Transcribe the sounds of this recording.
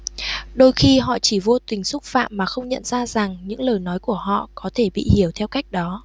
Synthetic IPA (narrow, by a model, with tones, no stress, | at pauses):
ɗo˧jxi˧ɦɔ̰˧˨t͡ɕi˧˩vo˧t̪ï˨˩ŋ̟sʊ˦˥k͡p̚fa̰ː˧˨mːaː˨˩xə˧wŋ͡mɲə̰˧˨nzaː˧za˨˩ŋɲɨ̰˧˥ŋləː˨˩jnɔ˨˦jku˧˩əɦɔ̰˧˨kɔ˨˦t̪ʰe˧˩ɓḭ˧˨hi˧˩əwt̪ʰɛ˧wka˦˥jk̟̚ɗɔ˨˦